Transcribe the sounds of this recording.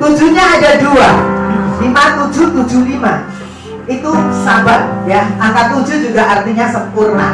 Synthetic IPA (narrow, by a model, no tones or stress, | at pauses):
t̪u̥d͡ʒuɲaːdadualimat̪u̥d͡ʒut̪u̥d͡ʒulima | it̪usabaʔjaaŋkat̪u̥d͡ʒud͡ʒuɡaʔart̪iɲasəmpurna